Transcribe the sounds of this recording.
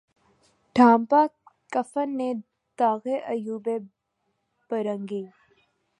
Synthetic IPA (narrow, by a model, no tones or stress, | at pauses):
ɖʱãːmpakəfənːe | d̪aːɣeʔɐjuːbe | b̥ɐɾə̃ŋɡiː